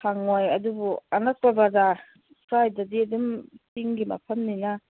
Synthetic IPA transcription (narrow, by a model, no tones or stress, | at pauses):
kʰaŋojɐdubuɐnak̚pabada | kʰɾajdadiɐdumsiŋɡima̰pʰɐmnina